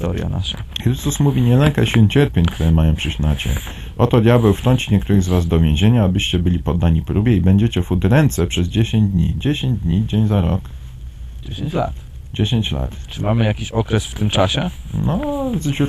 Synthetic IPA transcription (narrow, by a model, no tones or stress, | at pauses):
t̪ɔ̰ɾja̰na̰ʂa̰xɾɘst̪usmuvʲiɲɛlɛŋka̰ɕilnt͡ɕɛɾpʲjeɲʲkt̪uɾɛmajɔ̃pʂɘɕnat͡ɕɛ̰ɲ | ɔt̪ɔd̪ʲjabɛwft̪ɾɔɲʲt͡ɕiɲɛk̚t̪uɾɘɣzvazd̪ɔvʲjẽʑeɲaːbɘɕt͡ɕɛbɘlʲipɔd̪ːaɲipɾubʲjɛibɛɲd͡ʑet͡ɕɛfud̪ɾɛnt̪sɛpʂɛzd͡ʑeɕeɲd͡ʑd̪ɲḭd͡ʑeɕeɲd͡ʑd̪ɲid͡ʑeɲzaɾɔ̰k | a̰t̪ | d͡ʑeɕeɲt͡ɕla̰t̪t͡ʂɨmamɘjakʲiɕɔkɾɛsft̪ɘmt͡ʂaɕɛnɔzd͡ʑu